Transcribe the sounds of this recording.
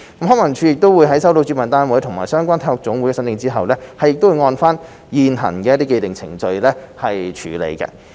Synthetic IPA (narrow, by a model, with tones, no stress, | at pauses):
kɐ˨˥mɦɔː˨˥mɐ˨˩ŋt͡ʃʰyː˨˧jɪ˨k̚t̪wuː˨˧jɦɐ˨˥jsɐ˥wt̪o˧t͡sy˨˧˥mɐ˨nt̪aː˥nwuː˨˥jt̪ʰʊ˨ŋmaː˨jsœː˥ŋkʷaː˥nt̪ʰa˧˥hɔ˨˩k̚t͡sʊ˨˥ŋwu˨˥jkɛː˧sɐ˨˥nmɪ˨˧ŋt͡siː˥ɦɐ̰˨wlɛː˥hɐ˨jɪ˨k̚t̪o˥wːŋɔː˧nfaː˥n | jiː˨nɦɐ̰˨˩nkɛː˧ɐ˥t̪iː˥ke˧jt̪ɪ˨ŋt͡sʰɪ̰˨˩ŋt͡sɵ˧ɥlɛː˥hɐ˨jt͡ʃʰyː˨˩lḛ˨˩jkɐ̰˧